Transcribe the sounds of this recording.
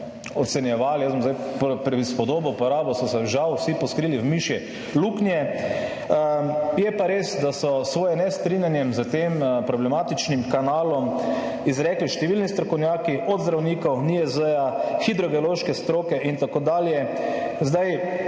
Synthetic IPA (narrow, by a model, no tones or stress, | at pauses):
ɔt̪sɛnjɛʋaːlijasbɔmzd̪ajppɾɛispɔd̪oːbɔpɔɾaːbɔsɔsɛʒawsipɔskɾiːliwmiʃjɛ | luknijɛ | jɛpaɾeːsd̪asɔsʋoːjɛnɛst̪ɾinjanjɛmzət̪eːmpɾɔblɛmaːt̪it͡ʃnimkanaːlɔm | izɾɛkliʃt̪ɛʋilnist̪ɾɔkɔwnjaːkiʔɔd̪zd̪ɾawnikɔwniɛzəjaxid̪ɾɔɡɛoloʃkɛst̪ɾoːkɛʔint̪akoːd̪aːljɛ | zd̪aj